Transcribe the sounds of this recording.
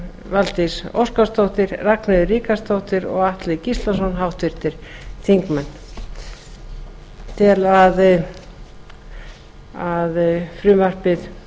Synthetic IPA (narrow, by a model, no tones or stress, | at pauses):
valt̪iso̰wskast̪owht̪ɪɾraknaðʏriːkast̪owht̪ɪɾɔ̰ɣaht̪lɪcist̪lasɔnɦawht̪vɪɾ̥t̪ɪɾ̥θiŋkmɛnː | t̪ʰɪlað | aðfɾʏːmvar̥pɪð